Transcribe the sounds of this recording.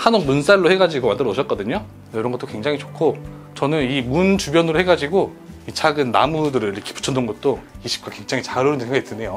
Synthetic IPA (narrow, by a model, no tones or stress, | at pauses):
hanomuns͈aɭːohe̞ɡad͡ʑiɡomandɯɾʌuɕʰʌt̚k͈ʌdɯɲo | jʌɾʌnŋɡʌt͈okwe̞ŋd͡ʑaŋit͡ɕokʰo | t͡ɕʌnɯnimunt͡ɕubjʌnɯɾohe̞ɡad͡ʑiɡo | it͡ɕʰaɡɯnːa̰mudɯɾɯɭiɾʌkʰe̥pu̥t͡ɕʰʌndɯnɡʌt̚t͈oiɕ͈ʰi̥pk͈akwe̞ŋd͡ʑaŋit͡ɕaɾoɾɯndɯnseŋɡaɡitʰɯne̞jo